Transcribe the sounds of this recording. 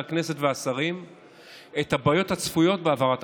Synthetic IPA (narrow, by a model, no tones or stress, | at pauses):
akne̞se̞tveasaʁim | ethabajo̞that͡sfujo̞t̚beavaʁat